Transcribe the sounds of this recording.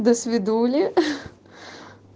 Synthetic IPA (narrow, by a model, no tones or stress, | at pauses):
d̪ɔsʲʋʲid̪uːlʲi